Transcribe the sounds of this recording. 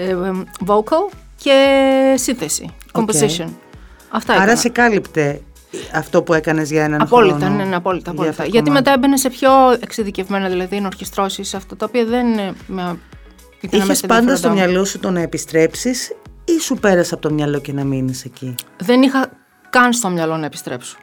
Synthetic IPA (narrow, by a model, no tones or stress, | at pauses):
evokɐl | ce̞sinθe̞sḭkomposison | ɐft̪ɐiɾɐsekɐlipt̪e̞ | ɐft̪o̞pue̞kɐne̞zʝɐenɐnɐfolit̪ɐneneɐpo̞lit̪ɐːpolit̪ɐʝɐt̪ime̞t̪ɐebenese̞pço̞eksiðicevme̞nɐðilɐðinoɾçist̪ɾo̞sisɐft̪ɐt̪ɐopiɐðe̞ninemɐ | it̪inɐçespɐnd̪ɐst̪omɲɐlo̞sut̪o̞nɐepist̪ɾe̞psisisupe̞ɾɐsɐpot̪omɲɐlo̞ce̞nɐminise̞ciðe̞nixɐ | kɐnst̪o̞mɲɐlo̞nɐepi̥st̪ɾe̞pso̥